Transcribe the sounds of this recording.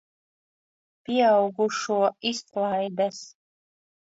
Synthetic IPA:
piɛawɡuʃuɔisklˠaːjd̪as

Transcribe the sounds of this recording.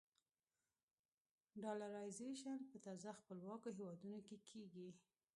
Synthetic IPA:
ɖɑlaɾɑjzeʃanpət̪ɑzaxpəlwɑkoɦewɑd̪unokekʰeɡi

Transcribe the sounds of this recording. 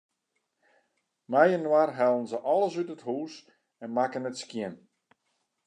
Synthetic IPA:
mɛjənwarɦalˠənzəʔɔlˠəsytəthuːs | ɛnmakənətskjɪn

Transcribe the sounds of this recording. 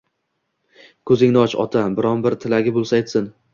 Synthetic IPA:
kʰɵzɪŋnɪɒt͡ʃɒ̰t̪ʰabɪɾɒnbɪɾt̪ʰɪlaɡʲɪbolˠsajt̪sɪn

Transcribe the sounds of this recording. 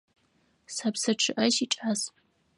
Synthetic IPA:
sapsɐʈ͡ʂʰɨʔɐʃiʈ͡ʂʼaz

